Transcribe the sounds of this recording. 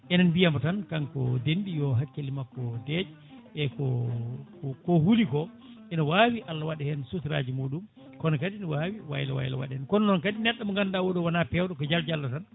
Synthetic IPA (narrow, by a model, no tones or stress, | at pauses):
ʔɛnanbijamɔtankankɔ̰denɗijɔɦakːelimakːɔdɛd͡ʒ | ɛkɔkɔkɔhulikɔ | ʔɛnɔwaːwiʔalːawaɗɛhɛnsutɾa̰ːd͡ʒimuːɗum | kɔnɔkaɗinɔwawiwa̰jla̰wa̰jla̰wa̰ɗɛhɛnkɔnɔnɔnkaɗinɛɗːamɔŋɡandawɔɗɔwanapɛwɗɔkɔd͡ʒald͡ʒalːatan